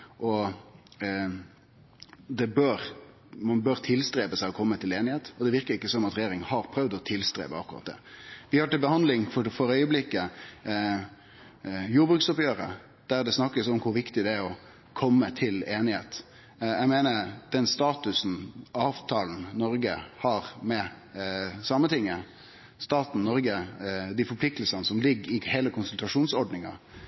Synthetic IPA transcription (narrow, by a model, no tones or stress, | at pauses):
ʔɔ | d̪ɛbøːɾ | mɑnbøːɾt̪ʰɪlst̪ɾeːpəsæɪɔkʰɔmːət̪ʰɪleːnɪheːt̪ɔd̪ɛʋɪɾkəɾɪkːəsɔmɑt̪ɾɛjeːɾɪŋənhɑɾpʰɾœʋd̪ɔt̪ʰɪlst̪ɾḛːpə̰ɑ̰kːʊɾɑ̰t̪̚d̪ɛ̰ʋɪhɑʈ̪ɪlbəhɑnd̪lɪŋfɔɾfɔɾœʏəblɪkːə | juːɾbɾʉksɔpjøːɾə̰ | d̪̥æɾd̪ɛsnɑkːəsɔmkʰʊɾʋɪkt̪ɪd̪ɛæɾɔ | kʰɔmːət̪ʰɪleːnɪheːt̪ | æɡmeːnəɾd̪̥ɛnst̪ɑːt̪ʉsn̩ɑːʋt̪ʰɑːln̩nɔɾɡəhɑɾmɛ | sɑmət̪ʰɪŋːə | st̪ɑːt̪n̩nɔɾɡəd̪ɪfɔɾpʰlɪk̚t̪lsənəsɔmlɪɡːɪheːləkʰʊnsʉlt̪ɾɑʂuːnsɔɾɖnɪŋɑ